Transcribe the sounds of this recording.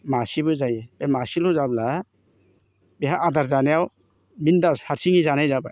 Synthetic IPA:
masibɯzajɛb̥emasiluzabla | beɦaʔadaɾzanejaw | mindashaɾsiŋizanajzaba

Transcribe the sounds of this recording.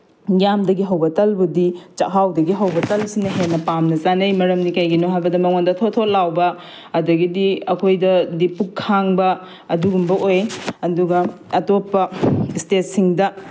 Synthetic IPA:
jamdɐɡiɦɐwbɐtɐlbudit͡ʃɐɦawdɐɡiɦɐwbɐtɐlsinɐɦenːɐpamnɐzanɐjmɐɾɐmnikajɡinoɦajbɐdɐmɐŋondɐtʰotʰot̚lawbɐ | ɐdɐɡidiɐkʰojdɐdipukʰːaŋbɐ | ɐduɡumbɐʔojɐduɡɐ | ɐtopːɐstet̚siŋdɐ

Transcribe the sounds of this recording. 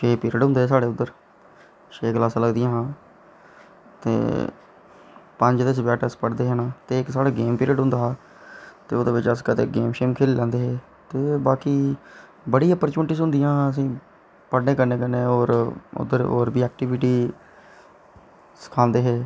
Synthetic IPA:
ʃeːpiːɾəɖɦʊ̃nd̪eːs̬aːɽeːʊd̪ːəɾ | ʃʰeːɡlaːsːləɡd̪ɪjãːɦãː | t̪ḛː | pəɲd͡ʒd̪eːs̬bɛːʈəspəɽd̪eːɦeːnãːt̪eːɪksaːɽaːɡeːmpiːɾəɖɦʊ̃nd̪aːɦaː | t̪ḛːoːd̪eːʋɪt͡ʃəskət̪ḛːɡeːmʃeːmkʰeːliːlɛ̃ːnd̪eːɦeː | t̪eːbaːkiː | bəɽijaːpəɾt͡ʃəɳʈiːsɦʊ̃nd̪ɪjãːəs̬ĩː | pəɽnẽːkəɾnẽːkəɾneːoːɾʊ̰d̪ːəɾo̰ːɾbiːɛːk̚ʈiʋɪʈiː | sə̥kʰãːnd̪eːɦeː

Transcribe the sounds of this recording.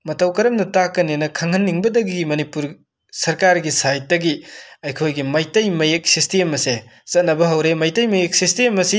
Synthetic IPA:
mɐtɐwkɐɾɐmnɐtakːɐnenɐkʰɐŋhɐnːiŋbɐdɐɡiɡimɐnipuɾ | sɐɾkaɾɡisajt̚dɐɡiɐjkʰojɡimɐjtɐjmɐjek̚sistemɐse | t͡ʃɐt̚nɐbɐɦɐwɾemɐjtɐjmɐjek̚sistemːɐsi

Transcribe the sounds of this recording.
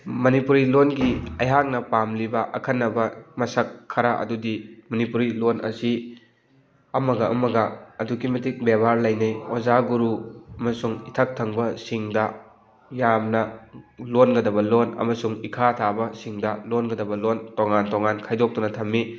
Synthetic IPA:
mɐnipuɾilonɡiɐjɦak̚nɐpamlibɐʔɐkʰɐnːɐbɐmɐsɐkʰːɐɾaʔɐ̰dudimɐnipuɾilonʔɐ̰si | ɐmɐɡɐɐ̰mɐɡɐːduɡimɐtik̚bebʱaɾlɐjnɐjozaɡuɾuɐmɐsuŋitʰɐk̚tʰɐŋbɐsiŋdɐ | jamnɐlonɡɐdɐbɐlonɐ̰mɐsuŋikʰatʰabɐsiŋdɐlonɡɐdɐbɐlontoŋantoŋankʰajdok̚tunɐtʰɐmːi

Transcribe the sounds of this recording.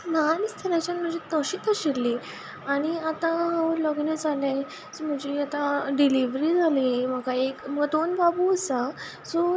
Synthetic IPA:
nanist̪ʰəɾat͡ɕanm̤əd͡ʑet̪əɕiːt̪aɕelːiː | aɽ̃iat̪ãɦãlɔɡnəd͡zala | sm̤əd͡ʑeat̪ãɖiliʋɾiːd͡zʱalim̤əɡaekməɡd̪onbabuəsa | sɔ

